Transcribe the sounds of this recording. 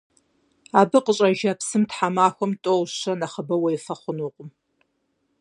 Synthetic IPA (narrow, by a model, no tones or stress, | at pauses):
aːbɨqəɕʼɐʒapsɨmtħamaːxʷɔmtʼowɕɐnɐχəbɐwɐjɪfɐχʷʊnuːqʷʼʊm